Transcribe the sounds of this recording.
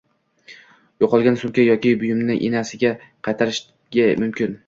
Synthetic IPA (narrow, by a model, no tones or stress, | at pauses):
joqʰɒlˠɡʲansʊmkʲajɒkʲɪbʊjɪmnɪʔenasɪɡʲa | qʰɑjt̪ʰaɾɪʃ | ɡʲamʊmkʲɪn